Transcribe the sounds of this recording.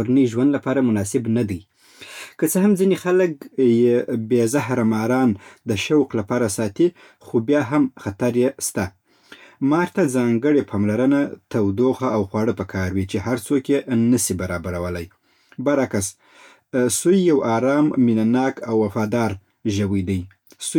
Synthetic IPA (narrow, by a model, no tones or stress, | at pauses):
ɾnəʒwand̪lapɑɾamʊnɑsɪbnad̪aj | kət͡səɦamzinexalək̚jebezahɾamɑɾɑnd̪əʃawklapɑɾasɑt̪i | xobjɑɦamxat̪aɾjest̪a | mɑɾt̪ad͡zɑŋɡəɽepʰɑmlaɾənat̪awd̪oxaːwxwɑɽəpəkʰɑɾwit͡ʃeɦaɾt͡sokjenəsibaɾɑbaɾawəlaj | baɾakas | sujːawɑɾɑmːinanɑkawːafɑd̪ɑɾ | ʒawəjd̪əj | su